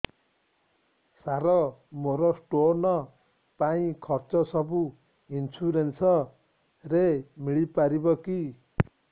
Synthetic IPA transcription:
saɾʌmoɾʌsʈonʌ | paĩkʰʌrt͡sʌsʌbu | ɦint͡sʰuɾensʌ | remiɭipaɾibʌki

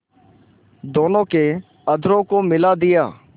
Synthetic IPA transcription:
d̪oːnõːkeː | əd̪ʱɾõːkoːmɪlaːd̪ɪjaː

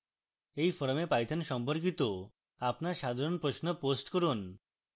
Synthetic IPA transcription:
ejfɔɾmepajt̪ʰanʃɔmpoɾk̬it̪o | apnaɾʃad̪ʱaɾonpɾosnoposʈkoɾun

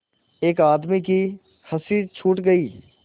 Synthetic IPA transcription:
eːkaːd̪miki | xɐsiːɾt͡ʃʰuːʈɡɐiː

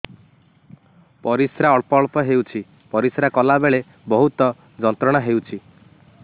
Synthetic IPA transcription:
pɔɾisɾaɔɭpɔɭpɔɦewt͡ʃʰi | pɔɾisɾakɔlabeɭe | bɔɦut̪ɔ | d͡ʒɔnt̪ɾɔɽ̃aɦewt͡ʃʰi

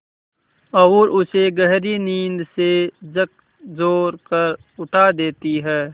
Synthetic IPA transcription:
ɔʊɾʔʊseɡəɦɾiniːnd̪sed͡ʒək̚ | zoːɾkɐɾ | ʊʈʰaːd̪eːt̪iɦɛː

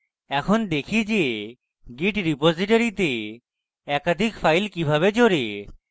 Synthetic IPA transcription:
ɛkʰond̪ekʰid͡ʑe | ɡiʈɾipod͡ʑiʈoɾit̪e | ɛkad̪ʱikfajlkibʱaβed͡ʑoɾi

